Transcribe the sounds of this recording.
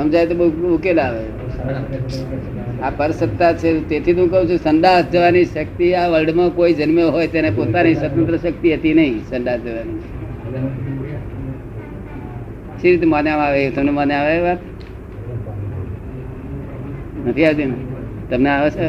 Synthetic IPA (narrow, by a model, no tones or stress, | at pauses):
ɦəmd͡ʒaet̪obəuukelaʋe | apəɾsət̪ːat͡ʃʰet̪et̪ʰit̪ũkəũt͡ʃʰusənd̪asd͡ʒəʋaniʃək̚t̪iaʋəlɖmãkoid͡ʒənmjoɦojt̪enepot̪anisət̪ənt̪ɾəʃək̚t̪iɦət̪inəɦĩsənd̪asd͡ʒəʋani | ʃiɾit̪̬emanjaʋaʋet̪əmnemaneaʋaeʋat̪ | nət̪ʰiaʋt̪in | t̪əmneaʋet͡ʃʰe